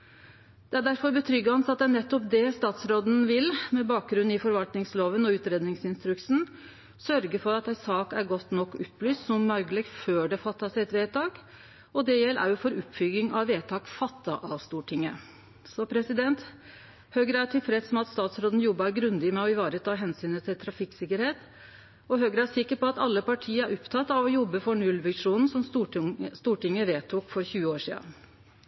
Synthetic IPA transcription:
d̪̥ɛæɖæɾfɔɾbət̪ʰɾʏɡːəɑnsɑt̪ːənɛt̪ːɔpd̪ɛst̪ɑːt̪sɾoːd̪n̩ʋɪlmɛbɑːk̚ɡɾʉn̩ːɪfɔɾʋɑlt̪nɪŋsloːʋənɔʉːt̪ɾeːd̪nɪŋsɪnst̪ɾʉksn̩ | sœɾɡəfɔɾɑt̪æsɑːkæɾɡɔt̪ːnɔkːʊpːlyːst̪sɔmːɑlɡəlɪɡføːɖɛfɑt̪ːɑsæɪɛt̪ʋeːt̪ʰɑːk | ɔd̪ɛjɛlːʔæ̰ɾjʊfɔɾʉpfʏɡɪŋɑʋʋeːt̪ʰɑːkfɑt̪ːɑʔɑʋst̪uːʈʰɪŋːə | sɔpʰɾɛsɪd̪ɛnt̪ | høːɡɾəæʈʰɪlfɾɛsɔmɑt̪st̪ɑːt̪sɾoːd̪n̩jɔbːɑæɾɡɾʉnd̪ɪmɛɔɪʋɑːɾət̪ʰɑːɦɛnsyːnət̪ʰɪlt̪ʰɾɑfɪksɪkːəɾheːt̪ | ɔɦøɡɾəæʂɪkːəɾpɔɑt̪ɑ̰lːəpɑʈʰiːəæɾʊpt̪ʰɑt̪ːɑʋɔjɔbːəfɔɳʉlʋɪʂuːnn̩sɔmsst̪uːʈɪŋːəʋeːt̪ʰuːkfɔɾçʉːəoːʂḭːɑ̰

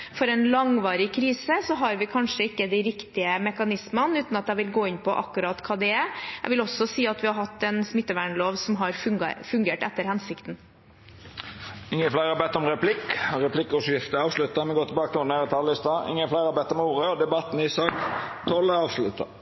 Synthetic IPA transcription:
fɔɾɛnlɑŋʋɑːɾɪkʰɾiːsəsɔɦɑɾʋɪkʰɑnʂəɪkːəd̪æɪɾɪkt̪ɪəmɛkɑnɪsmənʉːt̪nɑt̪̚d̪æɪʋɪlɡoːɪnpʰɔʔɑ̰kːʉɾɑːt̪kʰɑːd̪ɛɛæ̰ʋɪlɔsɔsiːɑt̪ʋɪhɑɾhɑt̪ːɛnsmɪt̪ːəʋæːɳloːʋsɔmɦɑɾfʉŋɡɑ̰fʉŋɡeːʈɛt̪ːəɾhɛnsɪkt̪n̩ | ɪŋːənflæɪɾɑbɛt̪ːɔmɾɛpʰlɪkɾɛpʰlɪkːʊʂjɪft̪əɑːʋslʉt̪ːɑmɛɡoːt̪ʰlbɑːkət̪ɔːɾneːɾət̪ʰɑːləɪst̪ɑʔɪ̰ŋːəflæɪɾɑbɛt̪ːɔmuːɾəɔd̪ɛbɑt̪ːn̩ɪsɑːkt̪ʰɔlːəɑːʋslʉt̪ɑ̰

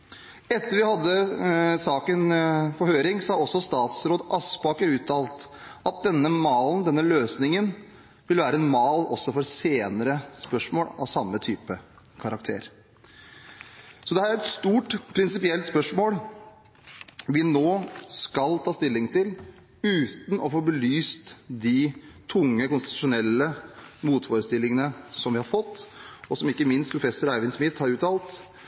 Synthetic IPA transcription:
ɛt̪ːəɾʋɪhɑd̪ːəsɑːkənfɔhøːɾɪŋsɑɔsːɔst̪ɑːt̪sɾoːd̪ɑspɑːkəɾʉːt̪ʰɑːlt̪ɑt̪̚d̪ɛnːəmɑːln̩d̪ɛnːəløːsnɪŋən | ʋɪlʋæːɾəɛnmɑːlɔsːɔfɔɾseːnəɾəspœʂmoːlɑ̰ʋsɑmːət̪ʰyːpə | kʰɑɾɑk̚t̪ʰḛːɾ | sɔd̪ɛhæːɾæɾɛt̪st̪uːʈpʰɾɪnsɪpɪɛlt̪spœʂmoːl | ʋɪnoːskɑlt̪ʰɑːst̪ɪlːɪŋt̪ɪl | ʉːt̪n̩ʔɔfoːbəlyːst̪d̪ɪt̪ʰʊŋːəkʊnst̪ɪt̪ʉ̥ʂʊnɛlːəmuːt̪foːɾəst̪ɪlːɪŋənəsɔmʋɪhɑɾfɔt̪ːɔsɔmɪkːəmɪnst̪pʰɾʊfɛsʊɾæɪʋɪnsmɪt̪hɑɾʉːt̪ɑːlt̪

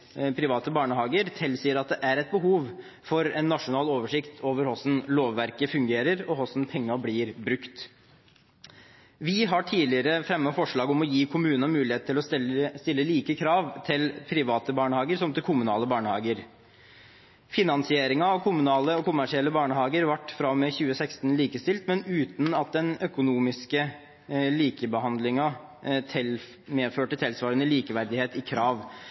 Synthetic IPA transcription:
pʰɾɪʋɑːt̪əbɑːɳəhɑːɡəɾt̪ʰɪlsiːəɾɑt̪̚d̪ɛʔæɾɛt̪̚bəɦuːʋ | fɔɾɛnːɑʂʊnɑːloːʋəʂɪkt̪ʰoːʋəɾhɔsn̩loːʋːæɾkəfʉŋɡeːɾəɾɔhɔsn̩pʰɛŋːɑblɪːɾbɾʉkt̪ | ʋɪɦɑʈʰiːlɪəɾəfɾɛmːəfɔʂɭɑːɡɔmɔjiːkʰʊmʉːnənɑmʉːlɪheːt̪̚ʰːɪlɔst̪ɪlːəliːkəkʰɾɑːʋt̪ʰɪlpʰɾɪʋɑːt̪əbɑːɳəhɑːɡəɾsɔmt̪ɪlkʰʊmʉnɑ̰ːləbɑːɳəhɑːɡəɾ | fɪnɑnsɪeːɾɪŋɑɑʋkʰʊmʉnɑːləɔkʰʊmæʂɪɛlːəbɑːɳəhɑːɡəɾʋɑʈːfɾɑmeːçʉːəsæɪkst̪nliːkəst̪ɪlt̪mɛnʉːt̪n̩ɑt̪̚d̪ɛnœkʊnuːmɪskə | liːkəbəhɑnd̪lɪŋɑ | meːføːʈːət̪ʰɪlsʋɑːɾənəliːkəʋæɾd̪ɪheːt̪ɪkʰɾɑːʋ

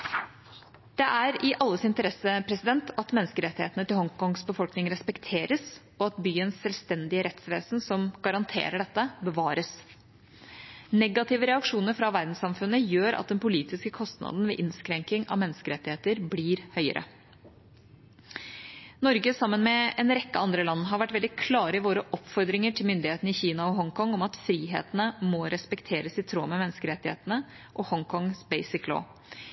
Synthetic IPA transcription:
d̪̥ɛʔæɾɪʔɑlːəsɪnt̪əɾɛsəpʰɾɛsɪd̪ɛnt̪ʰɑt̪mɛnːskəɾɛt̪ːɪheːt̪ənət̪ɪlhɔŋkɔŋsbəfɔlknɪŋɾɛspɛkt̪ʰeːɾəs | ɔɑt̪byːənsːɛlʋst̪ɛnd̪ɪəɾɛt̪sʋeːsnsɔmɡ̥ɑɾɑnt̪ʰḛːɾəɖɛt̪ːəbəʋɑːɾəs | nɛɡɑt̪ɪʋəɾɛɑkʂuːnəɾfɾɑʋæɾd̪n̩sɑmfʉnəjøːɾʔɑ̰t̪̚d̪ɛnpʊliːt̪ɪskəkʰɔst̪nɑ̰d̪n̩ʋḛːʔɪnskɾɛŋkɪŋɑ̰mɛnːəskəɾɛt̪ːɪheːt̪əɾbliːɾhœʏə̰ɾʔə̰ | nɔɾɡəsɑmːənmɛɛnɾɛkːəʔɑnd̪ɾəlɑnːɦɑɾʋæʈːʋɛld̪ɪkʰlɑːɾəɪʋoːɾəʔɔpfɔɾd̪ɾɪŋəʈʰɪlmʏnd̪ɪheːt̪ənəɪçiːnɑɔɦɔŋkʰɔŋɔmɑt̪fɾiːɦḛːt̪ənəmɔɾɛspɛkt̪ʰeːɾəsɪt̪ʰɾoːmɛmɛnːəskəɾɛt̪ːɪhḛːt̪ənə | ʔɔhɔŋkʰɔŋsbeɪsɪklo̰ː

